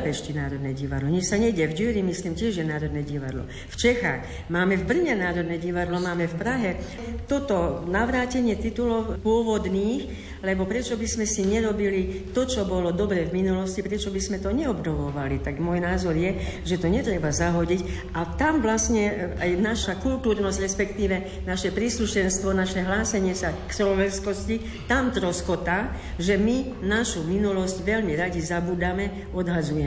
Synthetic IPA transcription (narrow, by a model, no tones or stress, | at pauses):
pɛʃcinaːɾɔd̪nɛɟiʋad̪lɔɲɛt͡ʃsaɲɛɟɛvɟyɾimisliːmcɪɛʒjɛnaːɾɔd̪nɛɟiʋa̰d̪lɔ̰ | ft͡ʃɛxax | maːmɛvbr̩ɲɛnaːɾɔd̪nɛɟiʋad̪lɔmaːmɛfpɾaɦɛ | t̪ɔt̪ɔnaʋɾaːcɛɲɪɛt̪it̪ulɔʊpʊɔʋɔd̪niːx | lɛbɔpɾɛt͡ʃɔbizmɛsiɲɛɾɔbilit̪ɔt͡ʃɔbɔlɔd̪ɔbɾɛvminulɔscipɾɛt͡ʃɔbizmɛt̪ɔɲɛɔbnɔʋɔʋalit̪aɡmɔjnaːzɔɾjɛʒɛt̪ɔɲɛt̪ɾɛbazaɦɔɟic | at̪amʋlasɲɛajnaʃakult̪uːɾnɔzɟɾɛspɛkt̪iːʋɛ | naʃɛpɾisluʃɛnst̪ʋɔnaʃɛɦlaːsɛɲɪɛsakslɔʋɛnskɔsci | t̪amt̪ɾɔskɔt̪aː | ʒɛmi | naʃuminulɔsɟʋɛʎmiɾaɟizabuːd̪amɛ | ɔd̪ɦad͡zujɛ